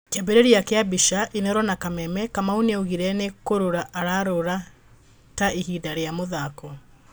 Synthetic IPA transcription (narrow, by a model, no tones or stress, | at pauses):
kɛbeɾeɾiakeabiʃaʔinɛɾɔnakamɛmɛkamauneoɣiɾɛnekoɾoɾaʔaɾaɾoɾa | taihidaɾeamoðakɔ